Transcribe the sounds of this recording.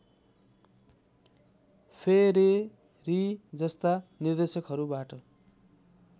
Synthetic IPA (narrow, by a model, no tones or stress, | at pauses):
pʰeɾi | rid͡zʌst̪anird̪esʌkɦʌɾubaʈʌ